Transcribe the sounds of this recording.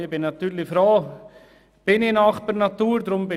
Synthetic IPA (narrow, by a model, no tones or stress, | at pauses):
ɪbɪnːat̪yːɾlɪfɾoː | b̥ɪnɪnaxpɛɾnat̪uːɾdɾʊmbɪ